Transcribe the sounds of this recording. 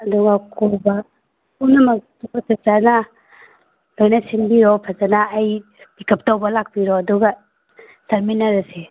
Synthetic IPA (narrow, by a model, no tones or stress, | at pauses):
ɐduɡakʰɔba | unɐmatubasʰazana | lajnasinbiɾɔpʰazanaːj | bikʰɐp̚tawbalak̚biɾɔɐduɡa | sɐɾminaɾase